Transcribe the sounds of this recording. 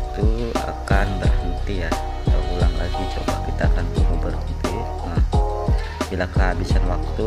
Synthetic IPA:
it̪ua̰kanbərhənt̪ija | taulaŋkad͡ʒud͡ʒua̰ba̰kit̪aːkant̪umubərɦənt̪i | nəh | bilakəɦabisanwak̚t̪u

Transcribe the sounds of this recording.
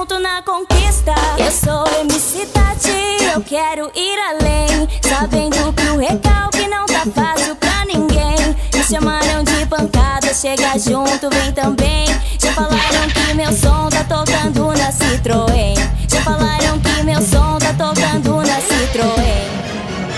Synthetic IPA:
t̪ʊnɐkõkist̪ɐewsoemisit̪at͡ʃiewkɛɾʊʔiɾalẽj̃sabẽnd̪ʊkɪʊhekawkɪnɐ̃w̃t̪afasiwpɾɐnĩŋɡẽj̃ɪʃɐmaɾɐ̃w̃d͡ʒɪpɐ̃ŋkad̪ɐʃeɡaʒũt̪ʊvẽj̃t̪ɐ̃bẽj̃ | ʒafalaɾɐ̃w̃kɪmewsõt̪at̪okɐ̃nd̪ʊnɐsit̪ɾoẽj̃ʒ̥afalaɾɐ̃w̃kɪmewsõt̪at̪okɐ̃nd̪ʊnɐsit̪ɾoẽj̃

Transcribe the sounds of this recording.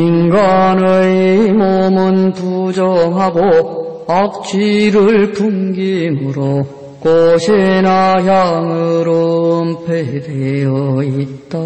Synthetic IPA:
inɡanɯjmomɯnpud͡ʑʌŋɦaɡo | ak̚t͡ɕ͈iɾɯɭtuŋɡimɯɾo | koɕʰenaçjaŋɯɯɾompʰeɾejʌit̚t͈a

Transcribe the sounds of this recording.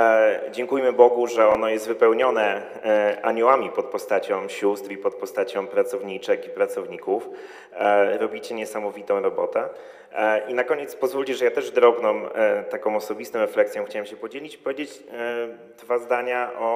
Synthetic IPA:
d͡ʑɛŋkujmɘbɔɡuʐɛɔnɔjɛst̪vɘpɛwɲɔnɛ | a̰ɲuwamʲipɔt̪̚pɔst̪at͡ɕɔ̃w̃ɕust̪ɾipɔt̪̚pɔst̪at͡ɕɔ̃w̃pɾat̪sɔvɲit͡ʂɘkipɾat̪sɔvɲikuf | ɾɔbʲit͡ɕɛɲɛsamɔvʲit̪ɔ̃w̃ɾɔbɔt̪ɛ | ʔinakɔɲɛt̪spɔzvulʲt͡ɕɛʐɛjat̪ɛʐd̪ɾɔbnɔ̃mt̪akɔ̃w̃ɔsɔbʲist̪ɔ̃ɾɛflɛksʲjɔ̃wxt͡ɕawɛmɕɛpɔd͡ʑelʲit͡ɕi̥pɔvʲjed͡ʑet͡ɕ | d̪vazd̪aɲaʔɔ

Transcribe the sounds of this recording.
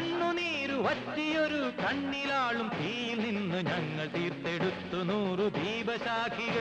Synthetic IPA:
ɳːuniːɾuʋɐtːijoɾukɐɳːilaːɭumpiːjilninːɨɲɐŋːɐɭt̪iːrt̪ːeɽut̪ːunuːrub̪ʱiːbɐɕaːkiɣɐ

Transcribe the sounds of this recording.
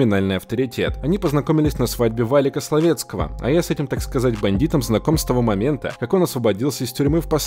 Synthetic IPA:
ɪnalʲnɨjɐft̪əɾʲɪtʲe̞̰t̪ɐnʲipəznɐko̞mʲɪlʲɪsʲnɐsvadʲbʲɪvalʲɪkəslˠɐvʲe̞t̪skəvə̰ɐ̰jasɛtʲɪmt̪akskɐzatʲbɐnʲdʲit̪əmznɐko̞mst̪ɐvo̞mɐmʲe̞nt̪ə̰kɐko̞nɐsvəbɐdʲilˠsʲəɪstʲʊɾʲmɨfpɐs

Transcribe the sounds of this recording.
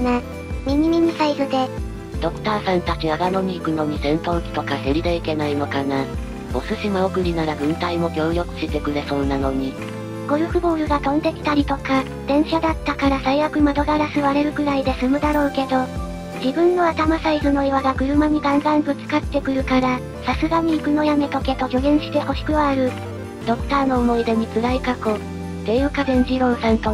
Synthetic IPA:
na | mʲiɲ̟imʲiɲ̟isaizɨd̪e̞ | d̪̥o̞kɯ̟̥t̪aːsãnt̪at͡ɕiaɡano̞mʲikɯ̟no̞ɲ̟isẽ̞nt̪õkʲi̥t̪o̞kaseɾʲid̪eike̞naino̞kana | osɨɕimaokɯ̟ɾʲinaɾaɡɯ̟̃nt̪aimo̞ɡʲo̞ːjo̞kɯ̟̥ɕit̪e̞kɯ̟ɾe̞so̞ːnːano̞ɲ̟i | ɡ̥o̞ɾɯ̟ɸɯ̟boːɾɯ̟ɡat̪õ̞nd̪e̞kʲi̥t̪aɾʲit̪o̞ka | d̪̥ẽ̞ɰ̃ɕad̪at̪ːakaɾasaijakɯ̟mad̪o̞ɡaɾasɨβaɾe̞ɾɯ̟ɡɯ̟ɾaid̪e̞sɨmɯ̟d̪aɾo̞ːke̞d̪o̞ | d͡ʑibɯ̟̃nːo̞at̪amasaizɨno̞iβaɡaɡɯ̟ɾɯ̟maɲ̟iɡãnzãŋk̪ɯt͡sɨ̥kat̪ːe̞kɯ̟ɾɯ̟kaɾa | sasɨɡaɲ̟iːkɯ̟no̞jame̞t̪o̞ke̞t̪o̞ɡʲo̞ɡẽ̞ɰ̃ɕi̥t̪e̞ho̞ɕi̥kɯ̟βaːɾɯ̟ | d̪̥o̞kɯ̟̥t̪aːno̞ːmo̞id̪e̞m̟ikɨɾaikako̞ | t̪ejɯːkad̪ẽ̞ɲ̟d͡ʑiɾõ̞ɰsãnt̪o̞

